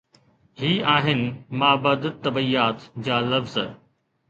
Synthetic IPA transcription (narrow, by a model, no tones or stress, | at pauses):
ɦiːaːɦɪnɪ̆mãːbɐd̪t̪ɐbijaːt̪d͡ʑaːlɐfz